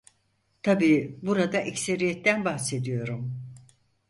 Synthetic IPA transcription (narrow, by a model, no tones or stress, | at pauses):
t̪ʰabiːbuɾad̪aʔɛcseɾijet̪ːænbahse̞d̪ijo̞ɾum